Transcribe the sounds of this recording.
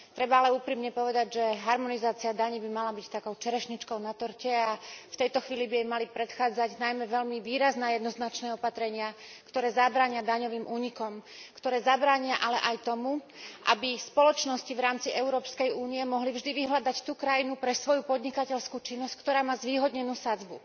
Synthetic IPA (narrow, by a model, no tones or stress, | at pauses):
t̪ɾɛbaalɛuːpɾiːmɲɛpɔʋɛd̪aɟʒɛɦaɾmɔnizaːt͡siad̪aɲibimalabict̪akɔʊt͡ʃɛɾɛʃɲit͡ʃkɔʊnat̪ɔɾcɛaft̪ɛjt̪ɔxʋiːlibijɛjmalipɾɛt̪xaːd͡zaɟnajmɛʋɛʎmiʋiːɾaznɛːjɛd̪nɔznat͡ʃnɛːɔpat̪ɾɛɲɪakt̪ɔɾɛːzabɾaːɲɪad̪aɲɔʋiːmʔuːɲikɔmkt̪ɔɾɛːzabɾaːɲiaʔalɛʔajt̪ɔmu | ʔa̰bispɔlɔt͡ʃnɔscivɾaːmt͡siʔɛʊuɾɔːpskɛjuːniɛmɔɦlivʒd̪iʋiɦlad̪act̪uːkɾajinupɾɛsʋɔjupɔd̪ɲikacɛʎskuːt͡ʃinːɔsckt̪ɔɾaːmaːzʋiːɦɔd̪ɲɛnuːsad͡zbu